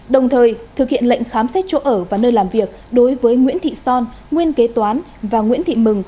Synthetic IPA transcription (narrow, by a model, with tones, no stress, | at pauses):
ɗə˨˩wŋ͡mt̪ʰəː˨˩jt̪ʰɨ˨˩k̚hḭ˧˨ənlə̰˧˨jŋ̟xaː˨˦msɛ˦˥t̚t͡ɕo̰˧˥ʔəː˧˩vaː˨˩nəː˧jlaː˨˩mvi˨˩ək̚ɗo˨˦jvəː˨˦jŋwḭ˧˥ənt̪ʰḭ˧˨sɔ˧n | ŋwi˧ənke˨˦t̪waː˨˦n | vaː˨˩ŋwḭ˧˥ənt̪ʰḭ˧˨mɨ˨˩ŋ